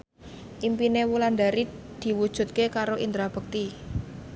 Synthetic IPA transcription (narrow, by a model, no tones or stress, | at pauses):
ʔimpinewuland̪aɾi | d̪̥i̤wud̥ʒ̥ṳt̪̚kekaɾoʔind̪ɾab̥ə̤k̚t̪i